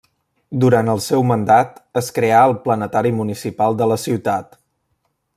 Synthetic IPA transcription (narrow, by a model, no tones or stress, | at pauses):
d̪uɾant̪əlˠsɛwmənd̪at̪əskɾeaəlˠplənət̪aɾimunisipalˠd̪ələsiwt̪at̪